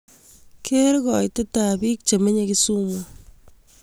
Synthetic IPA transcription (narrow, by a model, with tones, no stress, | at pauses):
kʰe˦ɾɣɔ˨jte˦ta˨bi˦k̚t͡ʃe˨me˦ɲeki˦su˦mɔ˨